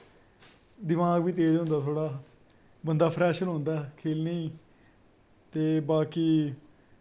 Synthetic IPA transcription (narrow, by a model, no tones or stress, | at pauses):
d̪ɪmaːɡʋiːt̪̬eːɾõnd̪aːt̪ʰoːɽaː | bənd̪aːpʰɾɛːʃəlɦõnd̪aːkʰeːlneĩː | t̪eːbaːkiː